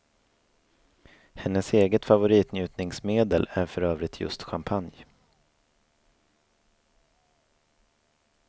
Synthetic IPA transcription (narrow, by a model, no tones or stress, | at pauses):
hɛnːəseːɡət̪favʊɾiːt̪njʉ̟ːt̪nɪŋsmeːd̪əlæɾfœɾøːvɾɪt̪ʰjɵ̰st̪ɧampʰanj